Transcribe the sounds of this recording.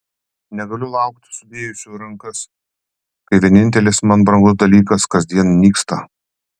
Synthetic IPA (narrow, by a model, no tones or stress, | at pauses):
nʲɛɡɐlʲʊlˠɑˑʊkt̪ʲsʊd̪ʲeːjʊsʲuːɾɐŋkɐs | kɐɪʋʲiɛnʲɪnʲt̪ʲɛlʲɪsmɐnbɾɐŋɡʊs̬d̪ɐlʲiːkɐskɐzd̪ʲiɛnnʲiːkst̪ɐ